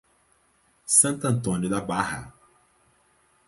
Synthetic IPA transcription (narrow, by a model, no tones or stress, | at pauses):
sɐ̃nt̪ɐ̃nt̪õnjʊd̪abahɐ̰